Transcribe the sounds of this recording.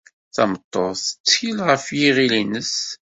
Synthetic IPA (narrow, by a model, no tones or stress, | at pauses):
θæmət̪ˤːoðˤθə̥t͡sːçilʁəfjiʁilinəs